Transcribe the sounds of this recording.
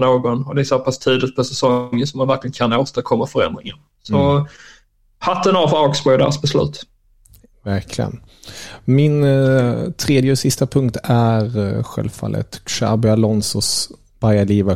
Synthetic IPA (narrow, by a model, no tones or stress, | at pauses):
noːɡɔnɔd̪ɛæsoːpʰast̪ʰiːd̪lɪt̪̚pʰɔsɛsɔŋːənsɔmːanvæɾklɪɡənkʰanoːst̪əɾkʰɔmːafœɾɛ̰nd̪ɾɪŋən | sɔ | hat̪ːənɑfɑɡsbɔjd̪ɛ̰ɾsbɛslʉ̟̰ːt̪ | væɾkʰlɪ̰ɡə̰n | mɪn | t̪ʰɾeːd̪jəsɪst̪apʰɵŋkt̪æɾɧɛ̰lvfa̰lːə̰t̪ʃa̰bɛalɔnsɔs | b̥ajaliːva